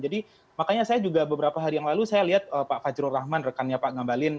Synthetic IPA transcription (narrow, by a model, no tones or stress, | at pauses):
d͡ʒadi | makaɲasajad͡ʒuɡabəbəɾapaɦaɾijaŋlalusajaliɦat̪̚əpaʔfad͡ʒɾʊrahmanrəkanɲapaʔɡambalɪn